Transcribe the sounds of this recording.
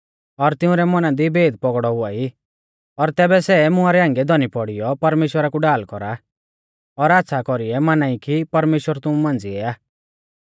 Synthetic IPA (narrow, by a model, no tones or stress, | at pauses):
ɔɾt̪ɪ̃ũɾɛmɔnãd̪ibeːd̪̚pɔɡɽɔɦʊai | ɔɾt̪ɛːbɛsɛmʊ̃aɾɛãːŋɡɛd̪ɔnipɔɽijɔpɐɾmeːʃwəɾakuɖaːlkɔɾa | ɔɾat̪ːsʰakɔɾiɛmanaikipɐɾmeːʃwəɾt̪ʊũmãːnd͡ziɛaː